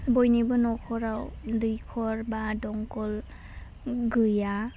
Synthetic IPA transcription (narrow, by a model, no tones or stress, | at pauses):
bɔjnibɯnɔkʰɔɾawdɯjkʰɔɾbadɔŋkɔl | ɡɯja